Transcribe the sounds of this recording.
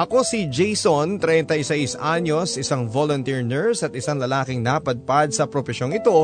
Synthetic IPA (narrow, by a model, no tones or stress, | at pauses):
ʔɐko̞sid͡ʒɛjsont̪ɾɛnt̪ɐjsɛjsʔaɲo̞sʔɪsaŋvolont̪iɹnɛɹsɐt̪ɪsaŋlɐlaːkɪŋnapɐd̪̚pad̪̚sɐpɾofɛʃjo̞ŋɪt̪o̞